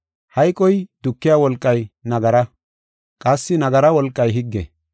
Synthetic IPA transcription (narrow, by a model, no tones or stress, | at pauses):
hɐjkʼɔjd̪ʊkːɪjaːwɔlkʼːɐjnɐɡɐɾɐ | kʼɐsːɪnɐɡɐɾɐwɔlkʼːɐjɦɪɡːɛ̰